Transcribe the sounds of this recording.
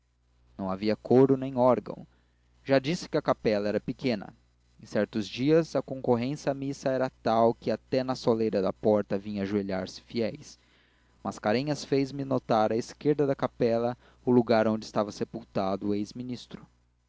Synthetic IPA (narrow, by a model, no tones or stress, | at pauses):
nɐ̃w̃aviɐkʰoɾʊnẽj̃ɔɾɡɐ̰̃w̃ | ʒad͡ʒisɪ̥kɪɐkapɛlɐɛɾɐpɪkẽnɐ̰ | ẽsɛɾt̪ʊzd͡ʒiɐzɐkõŋkoɦẽsiɐmisɐɛɾɐt̪awkɪat̪ɛnɐsolejɾɐd̪ɐpɔɾt̪ɐvĩɲɐaʒueʎaɾsɪ̥fiɛjs | mʔaskaɾẽɲɐsfejzmɪnot̪aɾɐeskeɾd̪ɐd̪ɐkapɛlɐ | ʊluɡaɾõd͡ʒɪːst̪avɐsepuwt̪ad̪ʊejzminist̪ɾʊ